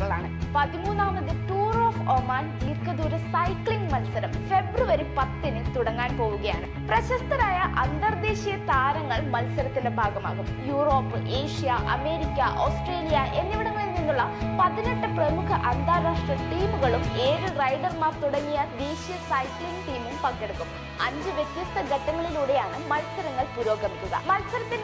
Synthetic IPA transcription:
ɐɭa̰ːɳɨpɐðimuːnːaːmːɐðɨʈuːroːfomaːniːrkɐðoɾusɐjkɭiŋɡmɐlsɐɾɐmfe̞bruʋɐɾipɐt̪ːinɨt̪uɽɐŋːaːnpo̞ːʋuɣɐja̰ːɳɨ | prɐɕɐst̪ɐnaːjɐʔɐnd̪ɐrd̪e̞ːɕijɐt̪aːɾɐŋːɐɭmɐlsɐɾɐt̪ːinde̞bʱaːɡɐma̰ːɣumjuːro̞ːpːɨʔe̞ːʂijɐʔɐme̞ːɾikʲːɐʔoːsʈre̞ːlijɐʔe̞nːiʋiɽɐŋːɐɭilninːuɭːɐpɐðineʈːɨpremukʰɐʔɐnd̪ʱaːɾaːʂʈrɐʈiːmuɣɐɭume̞ːɻɨrɐjɖɐrmaːft̪uɽɐŋːijɐd̪eːɕijɐsɐjkliŋɡʈiːmumpɐkːeɽukːum | ɐɲd͡ʑɨʋjet̪jɐst̪ɐɡɐʈːɐŋːɐɭiluːɽe̞jaːɳɨmɐlsɐɾɐŋːɐɭpuɾo̞ːɡɐmik̪ʲːuɣɐ̰mɐlsɐɾɐt̪ːin

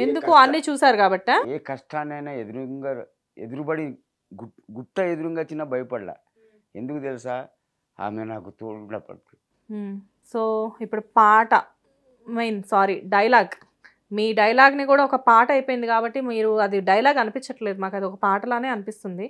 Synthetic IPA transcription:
e̞nd̪ukuɐnːiːt͡ʃuːsaːɾukaːbɐʈːiaːeːkɐʂʈaːnɐjnaed̪uɾuŋɡa | ed̪uɾubɐɽi | ɡu | ɡuʈːɐed̪uɾuŋɡaːt͡ʃinːaːbɐjɐpɐɽla̰ː | end̪ukut̪elisaː | a̰ːmenaːkut̪uɾuɳɐːpɐ̰ɽt̪u | soːipːuɽupaːʈɐ | mɐjnsaːɾiɖɐjɐlaːɡ | miːɖɐjɐlaːɡnikuːɽaːɔkɐpaːʈɐɐjpoːjind̪ikaːbɐʈːimiːɾuɐd̪iɖɐjɐlaːɡɐnipiɲt͡ʃːɐʈle̞ːd̪umaːkɐd̪iɔkɐpaːʈɐloːne̞ːɐnipist̪und̪i

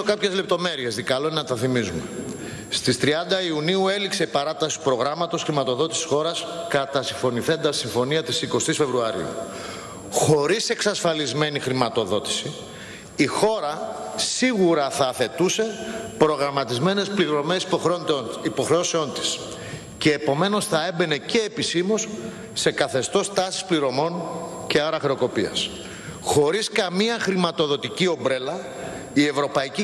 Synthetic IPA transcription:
okɐpçe̞zle̞p̚t̪o̞me̞ɾie̞szðikɐlonɐt̪ɐθimizume̞ | st̪ist̪ɾiɐnd̪ɐiuniue̞likse̞ipɐɾɐt̪ɐsi̥t̪u̥pɾo̞ɣɾɐmɐt̪o̞sxɾimɐt̪o̞ðo̞t̪isi̥sxo̞ɾɐskɐt̪ɐsiɱfo̞niθe̞nd̪ɐsiɱfo̞niɐt̪isiko̞st̪isfe̞vɾuɐɾḭṵ | xo̞ɾise̞ksɐsfɐlizme̞nixɾimɐt̪o̞ðo̞t̪i̥si | ixo̞ɾɐsiɣuɾɐθɐːθe̞t̪use̞pɾo̞ɣɾɐmɐt̪izme̞ne̞spliɾo̞me̞s | ipo̞xɾeoseo̞nt̪i̥s | ce̞ːpo̞me̞no̞sθɐe̞be̞ne̞ce̞ːpisimo̞sː | e̞kɐθe̞st̪o̞st̪ɐsi̥spliɾo̞mo̞nce̞ɐɾɐxɾeo̞ko̞piɐ̰s | xo̞ɾiskɐmiɐxɾimɐt̪o̞ðo̞t̪icio̞mbɾe̞lɐ | ie̞vɾo̞pɐici

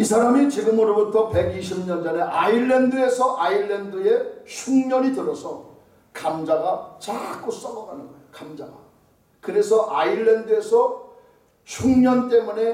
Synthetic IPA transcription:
isʰaɾamit͡ɕiɡɯmʌɾobutʰʌpe̞ɡiɕʰimɲʌnd͡ʑʌne̞ʔaiɭːendɯe̞sʰʌʔaiɭːendɯe̞ɕʰuŋɲʌɲitɯɾʌsʰʌ | kamd͡ʑaɡat͡ɕak͈os͈ʌɡʌɡanɯn | kamd͡ʑaɡa | kɯɾe̞sʰʌʔaiɭːendɯe̞sʰʌ | ɕʰuŋɲʌnt͈ʼe̞mune̞

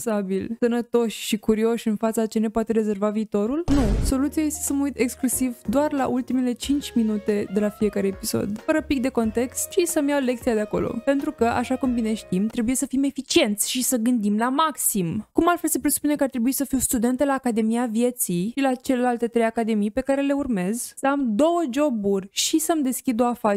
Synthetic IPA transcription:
sabilsənət̪o̞ʃʲʃikuɾio̞ʃʲɨnfat̪sat͡ʃe̞ne̞poat̪e̞ɾe̞ze̞rvaviːt̪o̞ɾulnuso̞lut̪siaje̞st̪esəməujt̪e̞ksklusivd̪oarla̰ʔult̪imele̞t͡ʃint͡ʃʲminut̪e̞d̪e̞lafie̞kaɾeepiso̰d̪fəɾəpik̚d̪e̞ko̞nt̪e̞kst̪ʃisəmjawle̞k̚t̪siad̪eako̞̰lo̰pe̞nt̪ɾukəʔa̰ʃakumbine̞ʃt̪imt̪ɾe̞buje̞səfime̞fit͡ʃie̞nt̪sʲʃisəɡɨnd̪imlamaksimkumalt̪felsepɾesu̥pune̞kəaɾrt̪ɾe̞buisəfiwst̪ud̪e̞nt̪elaːkad̪e̞miavje̞t̪sijilat͡ʃe̞le̞lalt̪e̞t̪ɾe̞jakad̪e̞mijpe̞kaɾe̞le̞urme̞zsəamd̪o̞wəd͡ʒo̞burʲʃisəmd̪e̞skʲid̪oafa

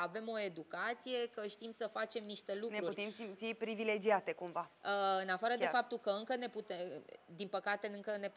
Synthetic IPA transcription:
ave̞mo̞e̞d̪ukat̪sije̞kəʃt̪imsəfat͡ʃe̞mniʃt̪e̞lukneɾuurʲt̪emsimt̪sipɾivile̞d͡ʒiat̪e̞kumvaəɨnafaɾəd̪efap̚t̪ukəɨŋkəne̞put̪ed̪inpəkat̪e̞ɨŋkəne̞p

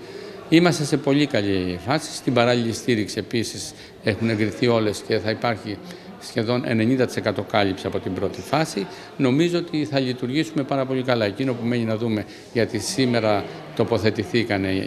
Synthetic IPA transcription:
imɐst̪ese̞po̞ʎikɐʎifɐsi̥st̪imbɐɾɐʎiʎist̪iɾiksie̞pisis | e̞xune̞ŋɡɾiθio̞le̞sce̞θɐipɐɾçi | sçe̞ðo̞ne̞̰ne̞ɲind̪ɐt̪ise̞kɐt̪o̞kɐlipsiɐpo̞t̪imbɾo̞t̪ifɐsi | no̞mizo̞ot̪iθɐʎit̪uɾʝisume̞pɐɾɐpo̞ʎʲikɐlɐe̞cino̞pume̞ɲinɐðume̞ | ʝɐt̪isime̞ɾɐ | t̪o̞po̞θe̞t̪iθikɐne̞

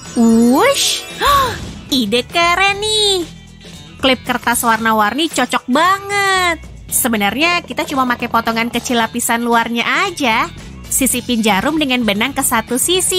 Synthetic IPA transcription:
uʃ | idəkəɾɛnih | klɪp̚kərt̪aswarnawarnit͡ʃɔt͡ʃɔk̚baŋət̪̚ | səbənarɲakit̪at͡ʃumamakajpɔt̪ɔŋankət͡ʃilapisanluarɲaʔad͡ʒa | sisipind͡ʒaɾʊmdəŋanbənaŋkəsat̪usisi

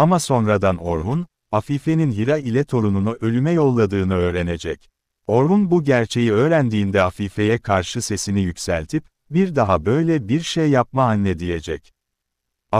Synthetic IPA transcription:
amaso̞nɾad̪ano̞ɾɦun | hafife̞ninjiɾailʲɛt̪ʰo̞ɾununuʔø̞lʲymɛjo̞lˠːad̪ɯːnɯø̞ːɾene̞d͡ʒɛc | o̞ɾɦunbuɟæɾt͡ʃʰe̞jiø̞ːɾænd̪iːnd̪ɛhafife̞jɛkʰaɾʃɯse̞sinijycsælʲt̪ʰip | biɾd̪aɦabø̞jlʲɛbiɾʃejːap̚maːnːɛd̪ije̞d͡ʒɛc | a

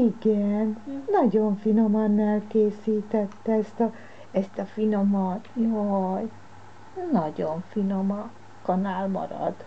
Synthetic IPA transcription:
iɡɛnːɒɟoɱfino̞mɒnːaːlkeːsiːt̪ɛt̪ːɛɛst̪ɒ | ɛst̪ɒfino̞mɒt̪joj | nɒɟoɱfino̞mɒ | kɒnaːlmɒ̰ɾɒ̰d̪̥

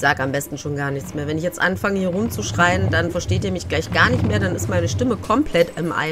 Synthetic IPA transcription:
z̥aːɡəambɛstn̩ʃoːnɡaːɐnɪçt͡smeːɐvɛnɪçjɛt͡stʔanfaŋəhiːɐʁʊmt͡suʃʁ̥aɪəndanfɛɐʃteːtiːɐmɪçɡ̥laɪçɡ̥aːɐnɪçtmeːɐdanɪstmaɪnəʃtɪməkʰɔmpʰlɛtɪmʔa̰ɪ

